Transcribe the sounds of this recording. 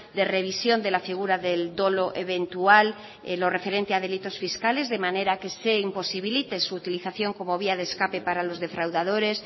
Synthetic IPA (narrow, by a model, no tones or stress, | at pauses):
d̪ere̞β̞isjo̞nd̪e̞lafiɣ̞uɾaðe̞ld̪o̞lo̞ʔeβe̞nt̪ual | elo̞re̞fe̞ɾe̞nt̪eað̞e̞lit̪o̞sfiskale̞zðe̞mane̞ɾake̞se̞impo̞siβ̞ilit̪e̞suːt̪iliθaθjo̞ŋko̞mo̞β̞iað̞eskape̞paɾalo̞zðe̞fɾawðað̞oɾe̞s